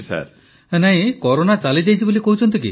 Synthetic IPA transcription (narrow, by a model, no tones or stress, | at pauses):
sa̰ɾ | naɦĩkɔɾonat͡ʃalid͡ʒajt͡ʃʰibolikoɦut͡ʃʰɔnt̪ikḭ